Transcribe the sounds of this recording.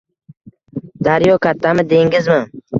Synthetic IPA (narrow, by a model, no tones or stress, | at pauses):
d̪aɾjɒkʲʰat̪ʰːamɪd̪e̞ŋɡɪzmɪŋ